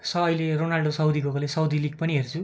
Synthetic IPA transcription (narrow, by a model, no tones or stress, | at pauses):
sʌʌjleronalɖosʌwd̪iɡoklesʌwd̪iliɡ̚pʌniɦert͡sʰu